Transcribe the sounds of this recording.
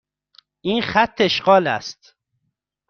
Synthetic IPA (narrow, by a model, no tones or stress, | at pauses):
ʔiːnxæt̪ʰːeeʃɢɒːlæ̰st̪